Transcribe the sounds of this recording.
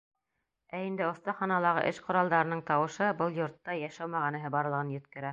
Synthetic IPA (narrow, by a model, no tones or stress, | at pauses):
æind̪ɘŏθt̪ɑχɑnɑlˠɑʁɤ̰ʔɘʃqŏɾɑlˠd̪ɑɾɤnɤɴt̪ɑwɤ̆ʃɤbɤlˠjŏɾt̪ːɑjæʃæwmæʁænɘ̆ɦɘbɑɾlˠɤ̆ʁɤnjɵ̆t̪kɘ̆ɾæ